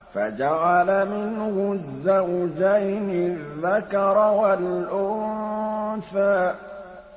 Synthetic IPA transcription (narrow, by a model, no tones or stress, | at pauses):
fad͡ʒaʕalamɪnhʊzːawd͡ʒajnɪðːakɑɾˤwalʔʊ | θaːʔ